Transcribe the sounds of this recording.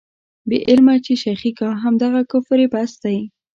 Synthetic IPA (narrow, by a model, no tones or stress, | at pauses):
beʔɪlmat͡ʃeʃaxikɑɦamd̪aɣakʊfɾepasd̪aji